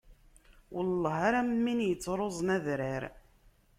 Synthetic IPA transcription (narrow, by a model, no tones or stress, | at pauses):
wəlˤːɑɦaɾammːinjət͡sːɾˤozˤnæðɾəɾ